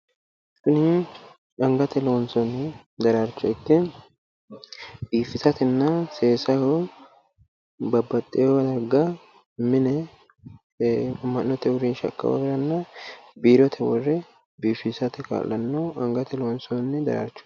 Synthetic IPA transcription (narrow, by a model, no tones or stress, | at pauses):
sʊnɪ | ɐŋɡɐt̪ɛloːnsɔnː | d̪ɐɾaɾt͡ʃːɔɪkːɛ | biːfɪsɐt̪ɛnːɐseːsɐho | bɐbːɐt̪ʼːɪjɔwɐd̪ɐɾɡɐ | mɪnɛ | mːɐnːɔt̪ɛwɔɾiːnʃɐ̰kʼːɐ̰wa̰bɪɾɐnːɐbiːɾɔt̪ʰɛwɔrːɛ | biːfɪsɐt̪ɛka̰ːlːɐnːɐɐŋɡɐt̪ɛloːnsɔnːɛd̪ɐ̰ɾa̰ɾt͡ʃːʊ̥